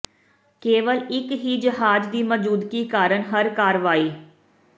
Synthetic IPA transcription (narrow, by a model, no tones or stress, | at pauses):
keːʋəlɪkɦiːd͡ʒəɦaːd͡ʒd̪iːməd͡ʒuːd̪kiːkaːɾəɳɦəɾkaːɾʋaːiː